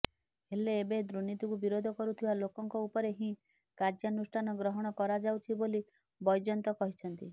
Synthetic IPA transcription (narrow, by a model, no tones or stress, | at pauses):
heleːbed̪ɾunit̪ukubiɾod̪ʱɔkɔɾut̪ʰibalokɔŋkɔupɔɾeɦĩ | kad͡ʒjanusʈʰanɔɡɾɔɦɔɽ̃ɔkɔɾad͡ʒawt͡ʃʰiboli | bɔjd͡ʒɔnt̪ɔkɔɦit͡ʃʰɔnt̪i